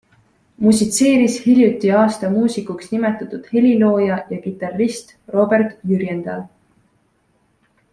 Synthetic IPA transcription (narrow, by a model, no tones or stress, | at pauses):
musit̪se̞ːɾishilʲjut̪ːˑiɑːst̪ɑmuːsikuksnime̞t̪ːˑɑt̪ːˑud̪̥he̞lʲilo̞ːjɑjɑkit̪ːˑɑrist̪ | ro̞be̞rt̪jyɾjend̪̥ɑl